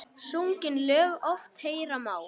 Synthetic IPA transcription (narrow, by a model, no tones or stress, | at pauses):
suŋcɪnlœːɣɔft̪heːjɾamaːw